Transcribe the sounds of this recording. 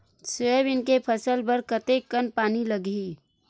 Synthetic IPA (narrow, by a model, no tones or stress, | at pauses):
səbɪnkepʰəsəlpəɾkət̪ekənpaːniləɡi